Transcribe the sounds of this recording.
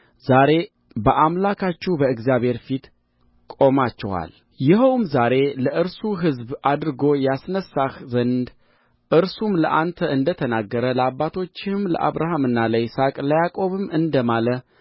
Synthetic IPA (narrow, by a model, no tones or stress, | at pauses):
zaɾe̞ | bəʔamlakʰat͡ʃːubəɨɡzijaβhe̞ɾfit̪ | kʼo̞mat͡ʃːɛ̰wa̰l | jɪɦəwmzaɾe̞ləʔɨɾsuɦɨzbʔad̪ɾɨɡo̞jasnəsahzənd̪ | ʔɨɾsumləʔant̪ʰəɨnd̪ət̪ʰənaɡːəɾələabːat̪ʰo̞t͡ʃːɪmlə̰ʔa̰βɾaɦamɨnːaləjɪsakʼləjakʼo̞βɨmɨnd̪əmalə